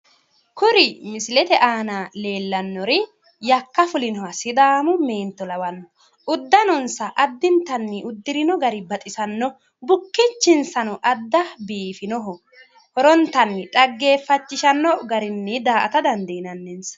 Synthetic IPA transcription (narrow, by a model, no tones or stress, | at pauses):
kʊɾɪmɪsɪlɛt̪ɛʔaːnale̞ːlːɐnːɔɾɪ | jɐkːɐfʊlɪnɔwɐsɪd̪aːmʊme̞ːnt̪ːɔlɐwɐnːɔ | ʊd̪ːɐnɔnsɐʔɐd̪ːɪnt̪ɐnːɪʔʊd̪ːɪɾɪnɔɡɐɾɪbɐt̪ʼɪsɐnːɔ | bʊkːɪt͡ʃːɪnsɐnɔʔɐd̪ːɐbiːfɪnɔɦɔ | hɔɾɔnt̪ɐnːɪᶑʼɐɡːe̞ːfːɐt͡ʃːɪʃɐnːɔɡɐɾɪnːɛd̪aːʔɐ̰t̪ɐd̪ɐnd̪ɐɪnɐnːɛns